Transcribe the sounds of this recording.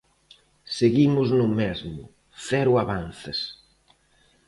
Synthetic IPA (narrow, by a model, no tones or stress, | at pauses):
seɣimʊznʊmɛzmʊ̰ | θɛɾʊaβanθɪs